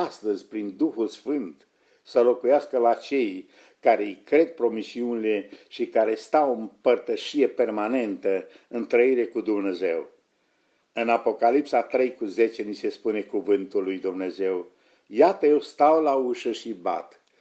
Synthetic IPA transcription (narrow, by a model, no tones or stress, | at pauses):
ast̪əzʲpɾind̪uxulsfɨnt̪ | səlo̞kujaskəlat͡ʃe̞j | kaɾejkɾe̞d̪̚pɾo̞misiunile̞ʃikaɾe̞st̪awompərt̪əʃije̞pe̞rmane̞nt̪əɨnt̪ɾəiɾe̞kud̪umne̞ze̞̰w | ɨnapo̞kalipsat̪ɾe̞jkuze̞t͡ʃe̞nise̞spune̞kuvɨnt̪ulːujd̪umne̞ze̞w | jat̪əjewst̪awlauʃəʃiba̰t̪